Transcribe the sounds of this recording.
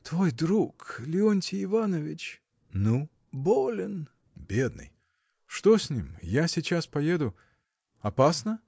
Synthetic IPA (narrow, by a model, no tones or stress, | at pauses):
t̪vojd̪ɾuklʲɪonʲtʲɪɪvanəvʲɪt͡ɕ | nu | bolʲɪn | bʲe̞d̪̚nɨ̰j | ʂt̪osʲnʲimjasʲɪt͡ɕaspɐjed̪ʊ | ɐpasnə